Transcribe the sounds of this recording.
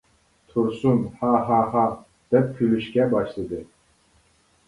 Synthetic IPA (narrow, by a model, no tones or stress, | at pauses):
t̪ʰuɾsunhaɦaɦa | d̪̥ɛp̚kʲʰylyʃkʲɛbɑʃlˠɨd̪ɨ